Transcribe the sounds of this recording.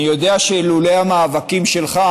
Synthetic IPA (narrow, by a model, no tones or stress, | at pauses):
ijo̞d̪eaʃelulejamaːvakimʃelχa